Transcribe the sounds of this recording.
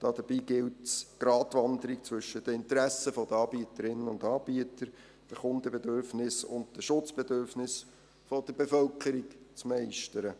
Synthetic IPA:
d̥ɑːd̥̪əb̥iːɡɪlt̚t͡sɡ̥ɾɑːtʋɑnd̪əɾik̚t͡sʋʏʃːəd̥əɪntɾæsəfɔd̥əɑːb̥iətəɾɪnːənʊndɑːb̥iətəɾ | b̥əχʊnd̪əbedørfnɪsʊnt̚d̥əʃʊt͡sb̥edøɾfnɪs | fɔd̥əɾbefœlkʰəɾikt͡smɛɪʃtəɾə

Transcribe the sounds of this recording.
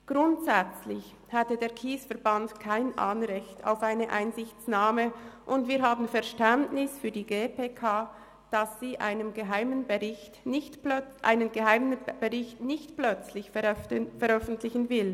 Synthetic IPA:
ɡ̥ʁʊntsɛt͡slɪç | hɛtədeːʁkʰiːsfɛɐʁbantkʰaɪnʔa̰nʁɛçta̰ʊfaɪnəʔa̰ɪnzɪçt͡snaːməʔʊndviːɐɦaːbn̩fɛɐʁʃtɛndnɪsfyːdiːɡeːpʰeːkʰaː | d̥asz̥iːʔa̰ɪnənɡəɦaɪmənbəʁɪçtɪçtʔa̰ɪnənɡəhaɪməb̥əʁɪçtnɪçtplœt͡slɪçfɛɐɾœfn̩tlɪçənvɪl

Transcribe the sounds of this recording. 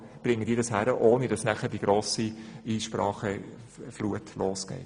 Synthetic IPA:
b̥ɾɪŋːəd̥iːdɑshæɾəʔoːnidɑsnæχəd̥iɡɾoːsiiːʃpɾɑːχə | fluətʰloːsɡ̥ɛ̰ɪt

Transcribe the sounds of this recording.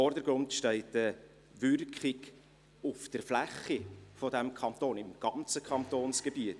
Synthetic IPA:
ɔɾdəɾɡɾʊntʃtɛɪtə | ʋʏrkχɪɡ | ʊfd̥əɾflæχːifɔdɛmkʰɑnt̪oːnɪmɡ̥ɑnt͡səkʰɑnt̪oːnsɡ̥ebiət

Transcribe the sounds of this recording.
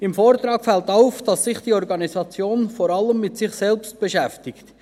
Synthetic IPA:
ɪmfoːɾtɾɑːkfɛltaʊfd̥ɑsːɪχd̥iɔɾɡɑnisɑt͡sjoːnfɔɾɑlːəmːɪtsɪχsɛlpst̚b̥ɛʃæftɪkt

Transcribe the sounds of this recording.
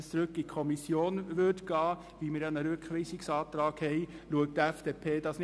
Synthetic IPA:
st͡sɾʉkːikʰɔmisjoːnvʏtɡ̥ɑː | viːmɪɾjɑnəɾʉkʰʋiːsɪksɑːt̪ɾɑːɡhɛɪluək̚tɛfd̥eːpʰeːdɑːsn

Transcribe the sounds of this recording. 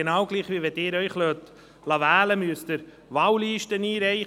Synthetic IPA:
enɑːwɡ̥liːχʋiʋɛd̪ɪːɾœʏχløːt̪ | lɑvæːləmyəst̪əɾ | ʋɑwliːʃtəniːɾɛɪ

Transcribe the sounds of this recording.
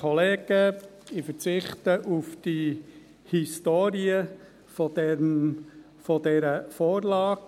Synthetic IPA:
ɔleːɡ̥ə | ifət͡sɪχtəʔufd̥i | histoːɾiə | fɔd̥ɛɾm | fɔdɛɾəfoːɾlɑːɡ

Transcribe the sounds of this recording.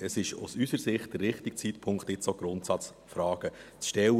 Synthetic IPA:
əsɪʃṵsysəɾsɪχt̚d̥ərːɪχt̪ik̚t͡sitpʰʊŋkχtɪt͡soɡ̥ɾʊntsɑt͡s | fɾɑːɡ̥ət͡sʃtɛl

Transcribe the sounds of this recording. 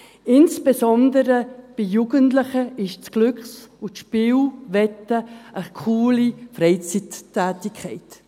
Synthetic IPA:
ɪnsb̥esɔndəɾəb̥ijuɡəntləχəɪʃt͡sɡ̥lʏkχsʊʃpɪwvɛtəʔəkʰuːlifɾeɪt͡sitʰːɛːtɪkʰːaɪt

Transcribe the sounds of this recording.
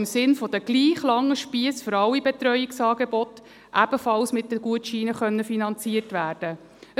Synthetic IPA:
ɪmsɪnfɔd̪əɡ̥liːχlɑŋːəʃpiəsføɾɑwːibɛt̪ɾœjiksɑːɡebɔt | ʔæb̥əfɑlsmɪt̚d̥̪əɡ̥uətʃiːnəχœnːəfinɑnt͡siətʋæːrd̥ə

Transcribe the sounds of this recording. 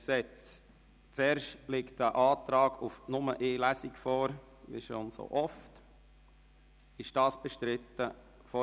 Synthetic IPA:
sɛt͡s | t͡seːɾʃtlɪktəʔɑːt̪ɾɑːɡufnʊmə̰ʔeːlæsikfɔːɾ | ʋḭʃoːnso̰ːʔɔft | ɪʃd̥ɑːsb̥ɛʃtɾɪtːə | fɔ

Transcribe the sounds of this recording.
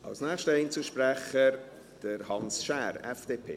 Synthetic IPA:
ɑ̰lsnɛːχʃtəɛɪnt͡suʃpɾɛχəɾ | d̥əɾhɑnsʃæːɾɛfd̥eːpʰḛː

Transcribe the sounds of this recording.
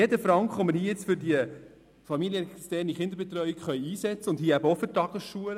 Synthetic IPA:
ɛdəfɾɑŋkχʋomɪɾhiəjɪt͡sfʏɾdiə | fɑmiljəɛkstɛɾniχɪndəɾbɛt̪ɾœʏikχœjiːsɛt͡səʊndhiːəæbəoftɑɡ̥əsʃuələ

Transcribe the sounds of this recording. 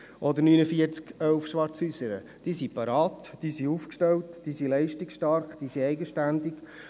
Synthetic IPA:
ɔd̪əɾnyːnəfiəɾt͡skœlfʃʋɑɾt͡shysəɾə̰ | d̥iːsipɑɾɑːt̪d̥iːsiuːfkʃtɛltd̥iːsilɛɪʃtɪksʃtɑɾχd̥̪iːsiɛɪɡəʃtænd̪ɪk

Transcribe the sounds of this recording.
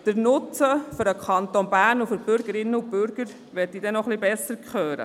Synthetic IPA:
d̥əɾnʊt͡səfʏɾəkχɑnt̪onbæːɾnufʏɾbʏɾɡəɾɪnːəʊbʏɾɡ̥əɾ | ʋɛtːidɛnɔχlibɛsəɾkχœːɾə̰

